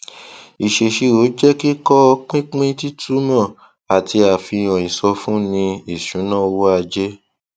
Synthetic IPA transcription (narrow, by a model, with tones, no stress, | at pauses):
i˨ʃe˨ʃe˧o˨˦d͡ʒɛ˦ki˦kɔ˦˧k͡pĩ˦k͡pĩ˦ti˦tʰu˦mã˦˨ | a˨ti˧a˨fi˧ɔ̃˨ĩ˨sɔ˧fũ˦nĩ˧i˦˨ʃũ˨˦nã˦˨˧wo˦a˧d͡ʒe˦